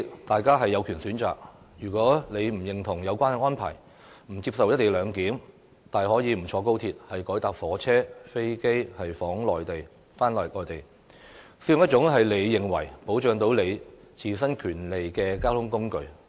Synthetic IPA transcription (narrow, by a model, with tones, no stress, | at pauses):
t̪aː˨jkaː˥ɦɐ˨jːɐ˨˧wkʰyː˨˩nsyː˨˥nt͡sa̰ː˨k̚ | jyː˨˩kʷɔː˨˥le˨˧jm̩˨˩jɪ˨ŋt̪ʰʊ˨˩ŋjɐ˨˧wkʷaː˥nɛ˧ŋɔː˥npʰa̰ː˨˩j | m̩˨˩t͡siː˧p̚sɐ˨wjɐ˥t̪̚ːe˨jlœː˨˧ŋkiː˨˥m | t̪aː˨˩jhɔː˨˥jiː˨˧m̩˨˩t͡ʃʰɔː˨˧ko˥wt̪ʰiː˧t̚hɐ˨jkɔː˨˥jt̪aː˨k̚fɔː˨˥t͡sʰɛː˥fe˥jke˥jhɐ˨jfɔː˨˥ŋlɔː˨jt̪e˨j | faː˥nlɔː˨˩lɔː˨˧jt̪e˨j | si˨˧˥jŋjɐ˥t̚t͡ʃʊ˨˥ŋɦɐ˨jle˨˧jːɪ˨ŋwɐ̰˨˩jpo˨˥wt͡ʃœː˨˧ŋt̪o˨˥wle˨˧j | t͡sʰiː˨˩sɐ˥nkʰyː˨˩nle˨jkɛː˧kaː˥wt̪ʰʊ˥ŋkʊ˥ŋkɵ˨ɥ